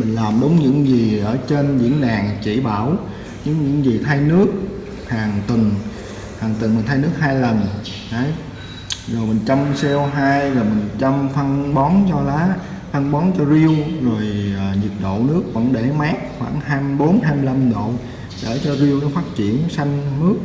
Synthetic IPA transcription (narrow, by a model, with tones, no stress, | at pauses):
mï˨˩ŋ̟laː˨˩mɗʊ˨˦wŋ͡mɲɨ̰˧˥ŋzi˨˩ʔəː˧˩t͡ɕe˧nɲɨ̰˧˥ŋɗaː˨˩ŋt͡ɕḭ˧˩ɓa̰ː˧˩w | ɲɨ̰˧˥ŋɲɨ̰˧˥ŋzi˨˩t̪ʰa˧jnɨ˦˥ək̚ | haː˨˩ŋt̪ɨ˨˩ŋ | haː˨˩ŋt̪ɨ˨˩ŋmi̟˨˩t̪ʰa˧jnɨ˦˥ək̚haː˧jlə˨˩n | ʔə˨˦j | zo˨˩jmï˨˩ŋ̟t͡ɕa˧msɛ˧wɦaː˧jvo˨˩jmï˨˩ŋ̟t͡ɕa˧mfa˧nɓɔ˨˦nt͡ɕɔ˧laː˨˦ | fa˧nɓɔ˨˦nt͡ɕɔ˧zi˧əwzo˨˩jəː˨˩ɲi˨˩t̚ɗo̰˧˨nɨ˦˥ək̚və̰˧˥nɗe˧˩maː˦˥k̚xwa̰ː˧˩ŋhaː˧jmɓo˨˦nhaː˧jmi˧la˧mɗo̰˧˨ | ɗe˧˩t͡ɕɔ˧zi˧əwɗɔ˨˦faː˦˥t̚t͡ɕḭ˧˩˨ənsa˧jŋ̟mɨ˦˥ək̚